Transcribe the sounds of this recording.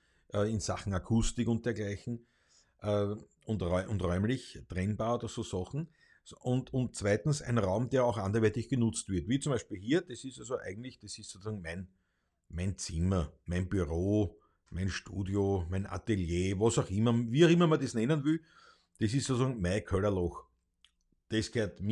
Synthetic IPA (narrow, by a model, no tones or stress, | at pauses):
ʔəɪnsaχŋ̩akʰustɪkʊ̃nt̚d̥eːɐɡlæɪçn̩ | ʔəː | ʊntʁɔʔʊntʁɔʏmlɪçt̪ʁɛnbaːodɐsoːsɑχn̩ | ʔʊntʊnt̚t͡svæɪtn̩sæ̰ɪnʁaʊmd̥̪eːɐɑʊxãndɐʋɛɐtɪçɡ̥ənʊt͡stvɪɐtviːt͡sʊmbæɪʃpilhiːɐd̪̥esistalzoʔæ̰ɪɡŋ̩tlɪçd̥esɪstsot͡ssɑːŋmæɪn | mæɪnt͡sɪmɐmæɪnbyʁoː | mæɪnʃtuːdiomæɪnʔa̰t̪eljeːvɑsɑʊximɐviːɑʊimɐmɐdesnɛnənvil | d̥esistsot͡sɑːŋmæɪkʰølɐlɔx | d̥eskeɐt̪m